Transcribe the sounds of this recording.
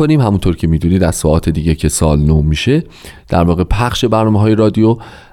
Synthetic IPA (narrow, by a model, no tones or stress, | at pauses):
oniːmhæmunt̪ʰoɾcʰe̞miːd̪uːniːd̪æzsɒːʔɒːt̪ʰe̞d̪iːɟe̞cʰe̞sɒːlnoːmːiːʃe̞ | d̪̥æɾvɒːɣe̞pʰæχʃe̞bæɾnɒːmeɦɒːje̞ɾɒːd̪ijo